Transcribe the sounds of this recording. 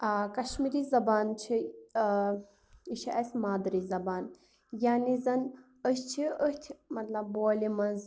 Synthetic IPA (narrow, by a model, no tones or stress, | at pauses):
kɐʃmiɾizɐbaːnt͡ʃʰi | iʃiʔɐsʲmaːd̪ɐɾizɐbaːn | jaːnizɐn | əst͡ʃʰiət̪ʰʲmɐt̪lɐbːoːlimɐnz